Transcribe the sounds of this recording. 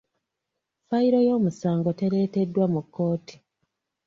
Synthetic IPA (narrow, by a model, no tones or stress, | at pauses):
faiɾo̞jo̞ːmusaːŋɡo̞te̞ɾe̞ːte̞dːwamukʰːo̞ːti̥